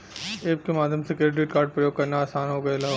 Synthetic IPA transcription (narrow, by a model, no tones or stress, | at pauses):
eːp̚kemaːd̪ʱjəmsekeːʈ̬ɾiʈkaːɾɖ̚pɾɐjoːɡ̚kɐɾnaaːsaːnɦoːɡɐelɐɦo